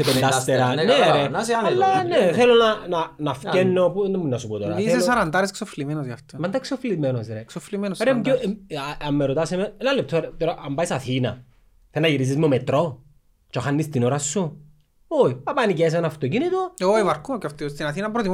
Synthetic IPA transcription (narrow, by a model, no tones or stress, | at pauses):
sepend̪ast̪eɾɐneɾenːɐneθelonɐnɐnɐfcenːopuðemːunːɐsupot̪oɾɐisesɐɾɐnd̪ɐɾesksoflimenozjɐft̪omɐnd̪ɐksoflimenosɾeksoflimenosɾemɡeɐmːeɾot̪ɐsemeenɐlːep̚t̪ʰːoɾet̪oɾaʔɐmbɐisɐθinɐ̰ | θenɐʝiɾis̬izmomet̪ɾo | t͡ʃoxanːist̪inoɾɐsːu | oiɐpɐnices̬enɐft̪ocinit̪ooivɐɾkʰuocɐft̪ist̪inɐθinɐmpɾot̪im